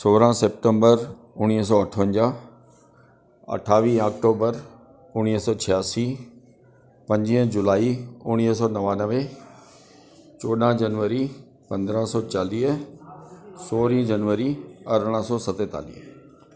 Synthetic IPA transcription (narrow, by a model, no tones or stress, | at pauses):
soːɾãsep̚ʈə̃mbəɾ | ʊñiːɦs̬ɔːɐʈʰəʋə̃ɲd͡ʑaː | ɐ̰ʈʰaːʋiːaːkʈoːbəɾ | ʊñiːɦsɔːt͡ɕʰijaːsi | pɐ̃ɲd͡ʑiəd͡ʑʊlaːiʊɽ̃iɦs̬ɔːnɐʋaːnəʋe | t͡ɕoːɗãd͡ʑɐnʋəɾi | pɐ̃nd̪ɾãsɔːt͡ɕaːliː | soːɾĩːd͡ʑɐnʋəɾiɐɾɽ̃ãsɔːsɐt̪et̪a̰ːlḭːɦ